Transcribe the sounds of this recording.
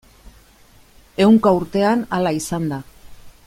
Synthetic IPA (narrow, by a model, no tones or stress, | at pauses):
e̞wŋkauɾt̪e̞analaisand̪a